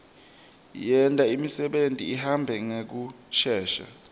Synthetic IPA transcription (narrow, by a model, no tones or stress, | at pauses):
jɛntʼaimisɛɓentʼḭːhambʱɛŋek̬u | t͡ʃʰɛːʃa̰